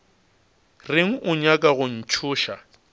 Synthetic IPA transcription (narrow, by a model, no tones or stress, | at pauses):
rɪŋ̩ʔʊɲakʼaɣʊn̩t͡ʃʰʊːʃa